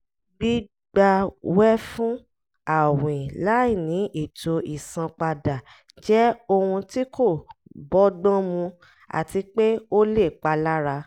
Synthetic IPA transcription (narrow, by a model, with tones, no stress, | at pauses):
bi˦ | ɡ͡ba˧wɛ˦fũ˦ | a˨wĩ˨la˨˦i˦˨nĩ˨˦ʔi˦˨to˧ʔi˨sã˧k͡pa˧da˨ | d͡ʒɛ˦o˧hũ˧ti˦ko˦˨bɔ˦dɔ̃˦mũ˧ | a̰˨ti˧k͡pe˦o˦le˦˨k͡pa˧la˦ɾa˧